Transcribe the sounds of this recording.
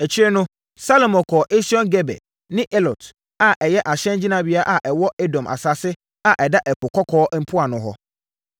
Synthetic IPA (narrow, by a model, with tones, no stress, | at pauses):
ɛ˨t͡ɕʰɪ˦ɾɛ˦nʊ̃˦ | sa˦lo˨mɔ̃˨kʰɔ˨ʔe˦si˦ɔ̃˦nɡɛ˦bɛ̰˨ | nɪ̃˦ʔe˦lɔ˨t | a˨ʔɛ˨jɛ˦ʔa˨ɕɛ̃˦nd͡ʑi˦nã˨bi˦a˦ʔa˨ʔɛ˨wɔ˦e˦dɔ̃˨mʔa̰˨sa˦sɪ˦ | a˨ʔɛ˨da˦ʔɛ˨kʰʊ˨kʰɔ˦kʰɔː˦m̩˦pʰʊ˦a˨nʊ̃˨ɦɔ˦